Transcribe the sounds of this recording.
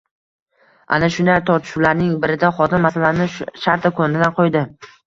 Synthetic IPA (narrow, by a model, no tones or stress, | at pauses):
ʔa̰naʃʊnaɾt̪ʰɒɾt̪ʰɪ̥ʃuwlaɾnɪŋbɪɾɪd̪aχɒt̪ɪmːasalanɪʃʃaɾt̪ʰakʰonɪd̪anqʰojd̪ɪ